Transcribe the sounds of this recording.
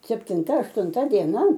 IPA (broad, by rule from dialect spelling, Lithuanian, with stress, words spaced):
sʲɛpʲtʲɪnˈtɐ ɐʃtʊnˈtɐ dʲiɛˈnɐ